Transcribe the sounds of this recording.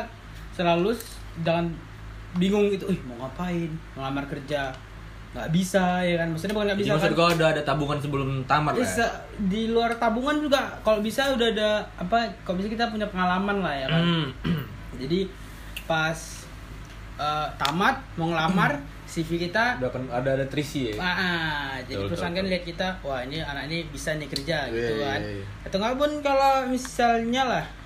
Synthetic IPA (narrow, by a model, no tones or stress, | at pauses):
səlalus | d͡ʒaŋan | biŋʊŋit̪uohmɔŋapaɪnmŋlamarkərd͡ʒa | ŋɡaʔbisajakanbasʊtɲabukanɡaʔbisaaksaɡaudaːdat̪abuŋansəbəlʊmt̪amasa | diluart̪abuŋand͡ʒuɡakalobisaudaadaːpakalobisakit̪ap̬uɲapəŋalamanlahjakan | d͡ʒadi | pas | ət̪amat̪̚mɔŋlamar | sifikit̪adakanadaːdat̪ɾisiaʔad͡ʒadipɾusaŋkanliɦat̪̚kit̪awahinianaknibisanikərd͡ʒaɡiukkan | kat̪əŋɡalpʊnkalomisalɲalah